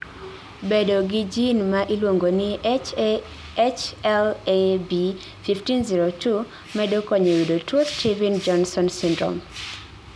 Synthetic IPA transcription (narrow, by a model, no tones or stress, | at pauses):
bedoɡɪd͡ʒinmaʔilwoŋɡonɪ | t͡ʃɛlebi | fiftinziɾotʰu | mɛdokɔɲewidotʰostʰivind͡ʒɔnsɔnsindɾɔ̰m